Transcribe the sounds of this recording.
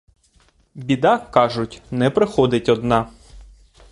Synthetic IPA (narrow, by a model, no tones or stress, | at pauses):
bʲid̪ɑkɑʒʊtʲnɛpɾɪxɔd̪ɪtʲɔd̪nɑ